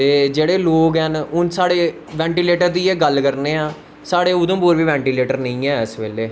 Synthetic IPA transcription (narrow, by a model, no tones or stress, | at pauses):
t̪eːd͡ʒeːɽeːloːɡɦɛnʊnsaːɽeː | ʋɛ̃ːɳʈiːleːʈəɾd̪iːeːɡəlkəɾneːãː | saːɽeːʊd̪õːpuːɾʋiːʋɛ̃ːɳʈiːleːʈəɾnəĩːɛːəsʋeːleː